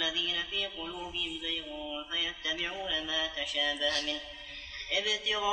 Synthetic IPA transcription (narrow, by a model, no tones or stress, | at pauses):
lːaðiːnafiːqʊluːbɪhɪmbajɣuːnfajast̪abɪʕuːnamaːt̪aʃaːbahamɪn | ʔɪbɪt̪ɪɣɑ